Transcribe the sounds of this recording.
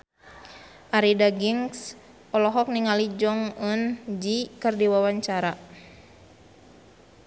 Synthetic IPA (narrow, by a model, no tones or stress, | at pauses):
ʔaɾidaɡiŋs | ɔlɔɦɔk̚niŋalid͡ʒɔŋənd͡ʒikərdiwawaɲt͡ʃaɾa